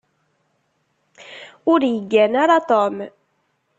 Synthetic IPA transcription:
ʊɾjəɡːænaɾat̪om

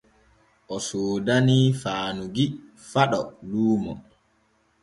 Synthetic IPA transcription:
ʔɔsoːdaniːfaːnuɡi | faɗɔluːmɔ

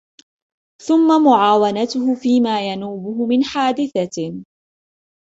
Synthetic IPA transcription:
θʊmːamʊʕaːwanat̪ʊhʊfiːmaːjanuːbʊɦʊmɪnħaːd̪ɪθa

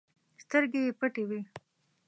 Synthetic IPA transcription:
st̪əɾɡejepəʈewi

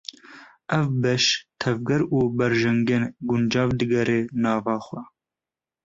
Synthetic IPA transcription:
ɛvbɛʃt̪ʰɛvɡɛɾuːbɛɾʒɛŋɡɛnɡund͡ʒɑːvd̪ɨɡɛɾeːnɑːvɑːxʷɛ

